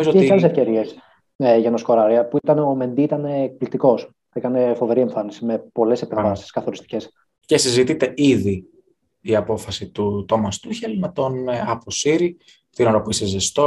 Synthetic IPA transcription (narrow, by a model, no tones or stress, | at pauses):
izoojeɐlesefce̞ɾie̞s | eʝɐeno̞sko̞ɾɐɾiɐpuit̪ɐneo̞me̞nd̪iit̪ɐne̞ːk̚plit̪iko̞s | ikɐne̞fo̞ve̞ɾie̞ɱfɐnisime̞po̞le̞se̞peɱvɐsi̥skɐθo̞ɾist̪i̥ce̞s | cesizit̪it̪e̞iði | iɐpo̞fɐsit̪ut̪o̞mɐst̪uçelmet̪o̞nɐpo̞siɾi | t̪inoɾɐpuisezest̪o